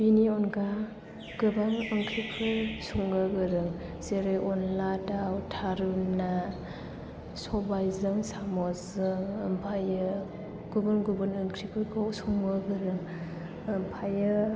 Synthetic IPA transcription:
b̥iniɔnɡa | ɡ̥ɯbaŋəŋkʰɾipʰɯsuŋɡɯɡɯɾɯŋzeɾɯjʔɔnlatawtʰaɾuna | sɔbajzɯŋsamɔzɯŋəmpʰajɯ | ɡ̥ubɯnɡubɯnəŋkʰɾipʰɯɡɔsuŋbəɡɯɾɯŋ | əmpʰajɯ

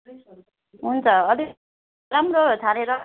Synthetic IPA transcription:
ɦunt͡sʰʌʌli | ɾamrot̪ʰaneɾʌ

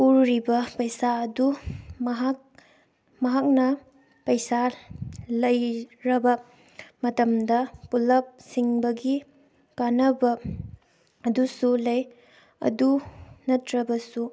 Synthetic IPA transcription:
uɾɾibɐpɐjsaɐdumɦ | mɐɦak̚nɐ | pɐjsa | lɐjɾɐbɐ | mɐtɐmdɐpulɐp̚siŋbɐɡi | kanɐbɐ | ɐdusulɐj | ɐ̰dunɐtɾɐbɐsu

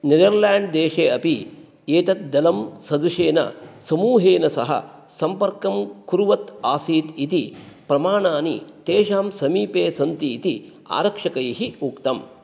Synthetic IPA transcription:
ned̪ɐɾlaːɳɖd̪eːʂeːɐpi | eːt̪ɐt̪̚d̪ɐlɐmsɐd̪uʂeːnɐ̰sɐmuːɦeːnɐsɐ̰ɦɐ̰ | sɐmpɐɾkɐmkuɾuʋɐt̪aːsiːt̪it̪ipɾɐmaːɳaːnḭt̪eːʃaːmsɐmiːpeːsɐnt̪iːt̪i | a̰ːɾɐkʂɐkɐjiɦiukt̪ɐm

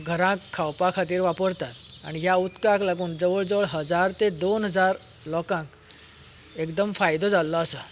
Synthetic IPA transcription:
ɡʱəɾãkʰːawpakʰat̪iːɾʋapəɾt̪at̪a̰ɽ̃iɦjaut̪kãklaɡuːnd͡zəʋəɭd͡zəʋəɭɦəd͡zaɾt̪ed̪onɦəd͡zaɾ | lɔkãk | ekd̪əmfajd̪od͡zalːɔəsə

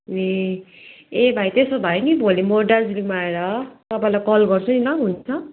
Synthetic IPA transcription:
e | ebʱajt̪esobʱajnibʱolimoɖard͡zɾimaeɾʌt̪ʌpaĩlajkʌlɡʌrt͡sʰʌnilʌɦunt͡sʰʌ

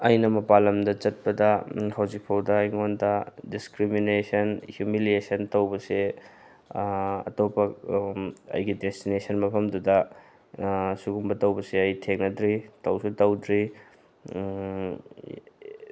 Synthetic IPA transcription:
ɐjnɐmɐpalɐmdɐt͡ʃɐt̚pɐdɐhɐwd͡ʒik̚pʰɐwdɐjŋondɐdiskɾiminesɐnhjumiliesɐntɐwbɐse | ɐ̰topɐ | ɐ̰jɡidestinesɐnmɐpʰɐmdudɐ | suɡumbɐtɐwbɐseɐjtʰeŋ̚nɐdɾitɐwsutɐwdɾi

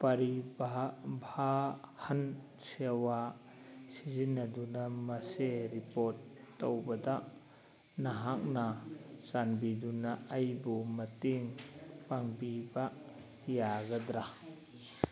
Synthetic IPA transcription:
pɐɾibabʱahan | sewa | sizinːɐdunamɐseɾipoɾtːowbɐda | naɦak̚nasanbidunaːjbumɐtiŋpaŋbiba | jaɡɐd̪ɾa

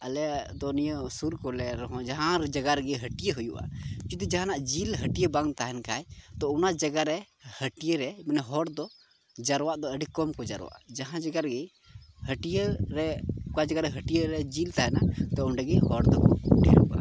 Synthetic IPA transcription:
əlɛd̪ɔnijɔsuɾkɔlɛɾɔɦɔ̃d͡ʒaɦãɾɛd͡ʒaɡaɾɡɛɦəʈijəɦujṵʔa̰t͡ʃud̪id͡ʒaɦanaʔd͡ʒilɦəʈijəbaŋt̪aɦɛnkajt̪ɔunad͡ʒaɡaɾɛ | həʈijeɾɛmanɛɦɔɾd̪ɔ | d͡ʒaɾwaʔd̪ɔəɖikɔmkɔd͡ʒa̰ɾ̰wa̰ʔad͡ʒaɦãd͡ʒaɡaɾɡɛ | həʈijeɾɛkad͡ʒaɡaɾɛɦəʈijəɾɛd͡ʒilt̪aɦɛnat̪ɔunɖɛɡɛhɔɾd̪ɔkɔɖʱɛ̰ɾṵʔa̰

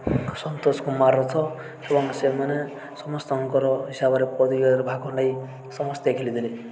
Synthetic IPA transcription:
sʌnt̪oskomarot͡sʰʌ | ebʌŋsemane | sʌmʌst̪ʌʌŋkʌɾʌɦisabʌɾepʌd̪iɡʌɾbʱakonʌj | sʌmʌst̪jekʰilid̪ile

